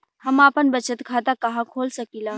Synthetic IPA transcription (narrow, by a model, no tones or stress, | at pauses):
həmaːpənbət͡ʃət̪kʰaːt̪akɐɦãkʰoːlsəkilaː